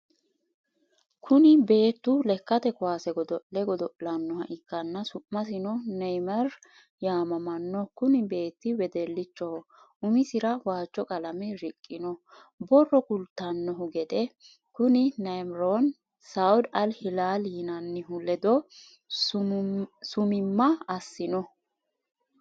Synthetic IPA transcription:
kʰʊnɪbe̞ːt̪ːʊlɛkːɐt̪ɛkʊwaːsɛɡɔd̪ɔʔlɛɡɔd̪ɔʔlɐnːɔhɐʔɪkːɐnːɐsʊʔmɐs̬ɪnɔnɛjmɐɾ | jaːmɐmɐnːɔkʊnɪbe̞ːt̪ːɪwɛd̪ɛlːɪt͡ʃːɔhɔʔʊmɪsɪɾɐwaːt͡ʃːɔkʼɐlɐmɛɾɪkʼːɪnɔ | bɔrːɔkʊlt̪ːɐnːɔɦʊɡɛd̪ɛ | kʊnɪnɐjmɾon | sawʊd̪ɐlhɪlaːliɪnɐnːɪɦʊlɛd̪ɔ | sʊmɪmːɐɐsːɪnɔ

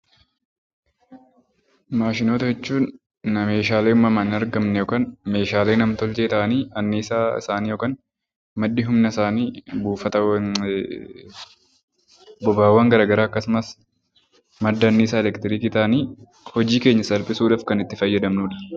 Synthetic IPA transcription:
maːʃɪnoːt̪ɐd͡ʒɛt͡ʃːuːnː | ɐme̞ːʃaːleːmːɐmɐnɪɐɾɡɐmnɛjɔkaːnme̞ːʃaːleːnɐmt̪ɔlt͡ʃeːt̪ɐʔɐniːɐnːiːsaːɪ̰saːniːjɔkaːn | mɐd̪ːɪɦʊmnɐɪsaːniːbuːfɐt̪ɐ | bɔbaːwːɐːŋɡɐɾaːɡɐɾaːɐkːɐsʊmɐs | mɐd̪ːɐːnːiːs̬aːɛlɛkt̪ɪɾiːkɪt̪aːniː | hɔd͡ʒiːke̞ːɲːɐsɐlpʼɪsuːᶑaːfkɐnɪt̪ːɪfɐjːɐd̪ɐmnuːᶑɐ̥

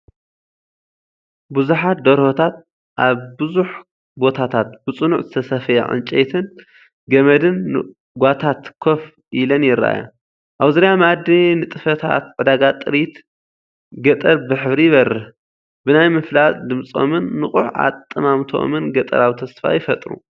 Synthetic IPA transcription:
buzuħat̪̚d̪ɐɾhot̪ʰat̪̚ | ʔaβbɨzuħ | bo̞t̪ʰat̪ʰat̪̚bɨt͡sʼɨnuʕzɨt̪ʰɐsɐfɐja̰ʕɨ̰nt͡ʃʼet̪ʰɨn | ɡɐmɐd̪ɨnː | ɡʷat̪ʰat̪kʰo̞f | ʔilɐnjɪɾːa̰ja̰ | ʔawzɨɾijamad̪inɨt̪ʼɨfɐt̪ʰa̰t̪̚ʕɨd̪aɡat̪ʼɨɾit̪ | ɡɐt̪ʼɐɾbɨħɨβɾijɪβɐɾɨħ | bɨnajmɨflat̪d̪ɨmt͡sʼo̰mɨnːɨχʼuħa̰t̪ʼːɨmamt̪ʰo̰mɨnɡɐt̪ʼɐ̰ɾaβt̪ʰɐsfa̰jɪfɐt̪ʼɾṵ

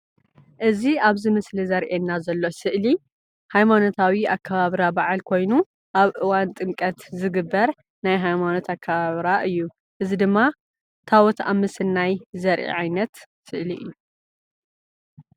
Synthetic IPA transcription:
ʔɨziaβzɨmɨslizɐɾʔenːazɐlːosɨʔli | hajmano̞t̪ʰawiakʰːaβaβɾabaʕalkʰo̞jnu | ʔaβʔɨwant̪ʼɨŋkʼɐt̪zɨɡɨbːɐɾ | najɦajmano̞t̪ʰakʰːɐβaβɾaʔɨjːu | ʔɨzid̪ɨmːa | t̪ʰawɔt̪ʰa̰βmɨsɨlnajzɐɾʔḛʕajnɐt̪sɨʔliɨ̰jːu

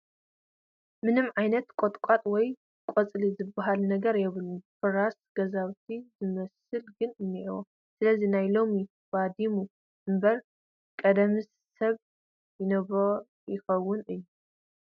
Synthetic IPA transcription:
mɨnɨmʕajnɐt̪kʼot̪ʼkʷʼat̪ʼwɔj | kʷʼɔt͡sʼlizɨbaɦalnɐɡɐɾjɛβɨlufɨɾasɡ̥ɐzawt̪ʰizɨmɐsɨlɡɨnɨnːiʔwo | sɨlɐzinajlo̞mi | b̥ad̪imu | ɨmbɐɾ | kʼɐd̪ɐmis | sɐβ | jɪnɐβo | jɪxɐwːʊnɨjːu

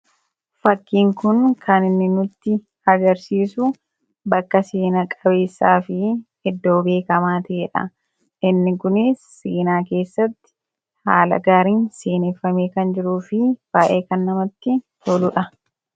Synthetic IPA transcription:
fɐkːiːŋkʊnkʰɐnɪnːɪnʊt̪ːɪ | ɐɡɐɾsiːsʊ | bɐkːɐseːnɐkʼɐbe̞ːsːaːfɪhɛd̪ːo̞ːbe̞ːkɐmaːt̪ɐʔeːᶑɐ̰ | ɪnːɪkʊnɪ | sːeːnaːke̞ːsːɐt̪ːɪ̥ | ha̰ːlɐ̰ɡaːɾiːnseːneːfːɐmeːkɐnd͡ʒɪɾuːfɪb̥aːʔeːkɐnːɐmɐt̪ːɪt̪olʊᶑɐ

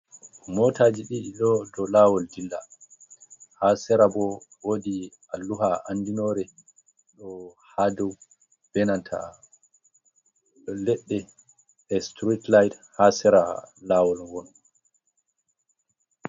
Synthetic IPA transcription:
mɔːtʰaːd͡ʒiɗiɗiɗɔdɔlaːwɔldilːa | hasɛɾabɔwoːdi | alːuɦaʔandinɔːɾɛ | ɗɔhadɔw | b̥ɛnantʰa̰ | lɛɗːɛ | ɛstɾitlajdhasɛɾalaːwɔlwɔn

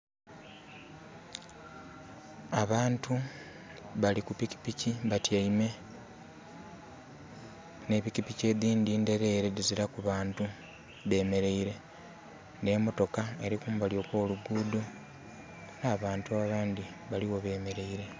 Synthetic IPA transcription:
aβaːntʰu | βalikupici̥piciβatjaime̞ | ne̞βicipice̞ːd̪iːndiːnde̞ɾe̞ːɾeðiziɾakuβaːntu | βe̞ːme̞ɾe̞iɾe̞ | nde̞mo̞to̞kaeɾikumuβaljo̞kwo̞ːluɡuːdo | naːβaːntuaβaːnd̪iβaliwo̞βe̞ːme̞ɾe̞iɾe̞

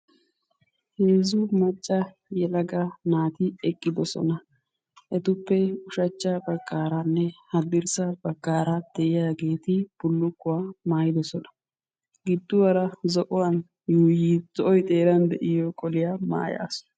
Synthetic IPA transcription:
heːzʊmɐt͡ʃʼːɐ | jɛlɐɡɐnaːt̪ɪɛkʼːɪd̪ɔsɔ̰nɐ | ʔɛt̪ʊpːɛʊʃɐt͡ʃːabɐkːaːɾanːɛhɐd̪ɪɾsɐbɐkːaːɾɐd̪̥ɛʔɪjaɡeːt̪ɪb̥ʊlːʊkːʊwaːmaːjɪd̪ɔsɔnɐ̥ | ɡɪd̪ːʊwɐɾɐzɔʔʊwɐn | juːjiz̥ɔʔɔjt̪ʼe̞ːɾɐnd̪ɛʔɪjɔkʼɔlɪjama̰ːja̰ːsʊ̥

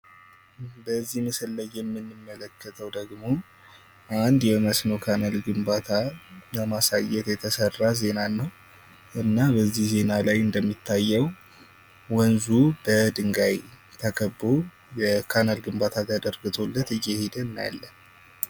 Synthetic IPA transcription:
bəzːihmɨsəlːəjɛmːɨnːɨmːələkːət̪ʰəwd̪əɡmo̞ | ʔand̪jɛməsno̞kʰanalɡɨmbat̪ʰaəmasajːɛt̪jɛt̪ʰəsərːaze̞nanːəw | ʔɨnːabəzːihze̞nalajɨnd̪əmːit̪ʰːajːɛw | wənzub̥əd̪ɨŋɡaj | t̪ʰəkʰəbːo | jɛkʰanalɡɨmbat̪ʰat̪ʰad̪əɾɡɨt̪ʰo̞lːət̪ɨjːɛhed̪ənːja̰lːən

